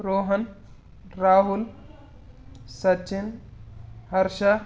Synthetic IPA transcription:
ɾoːɦən | ɾaːɦul | sɐt͡ʃɪn | hɐɾʃa

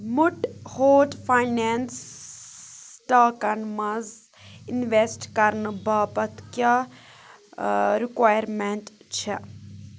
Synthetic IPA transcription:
muʈhoːʈpʰajnens | ʈaːkɐnmɐz | inʋesʈkɐɾnɨbaːpɐt̪kja | ɾikʋaːjəɾmeɳʈt͡ʃʰɛ

